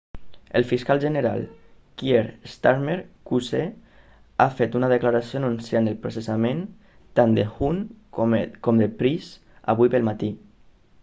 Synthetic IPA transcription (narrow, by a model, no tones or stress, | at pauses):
əlˠfiskalʒəneɾa̰lˠ | kjeɾst̪aɾmeɾkuse | afet̪unaðəklaɾasionunsjanəlpɾosesamẽn | t̪and̪exun | kɔmd̪əpɾis | a̰βujpəlmat̪i